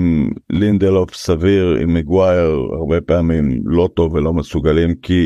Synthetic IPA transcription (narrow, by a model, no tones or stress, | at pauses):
mlind̪elofsaviʁḭmeɡwajeʁa̰ʁbe̞peamimlo̞t̪o̞vːelo̞mesuɡalimki